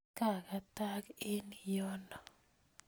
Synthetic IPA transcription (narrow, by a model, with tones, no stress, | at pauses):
ka˦˨ka˨ta˦kɪ˦njɔ˦nɔ˨